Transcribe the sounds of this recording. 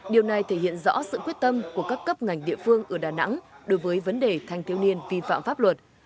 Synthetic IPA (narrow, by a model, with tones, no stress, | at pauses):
ɗi˨˩əwna˨˩jt̪ʰe˧˩hḭ˧˨ənzɔ̰˧˥sɨ̰˧˨kwət̚t̪ə˧mku˧˩əkaː˦˥kːə˦˥p̚ŋa˨˩jŋ̟ɗḭ˧˨əfɨ˧əŋʔəː˧˩ɗaː˨˩na̰˧˥ŋɗo˨˦jvəː˨˦jvə˨˦nɗe˨˩t̪ʰa˧jŋt̪ʰwni˧ənvi˧fa̰ː˧˨mfaː˦˥p̚lwə˨˩t̚